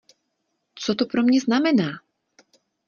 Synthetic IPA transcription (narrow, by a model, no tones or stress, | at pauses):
t͡sɔt̪ɔpɾɔmɲɛznamɛnaː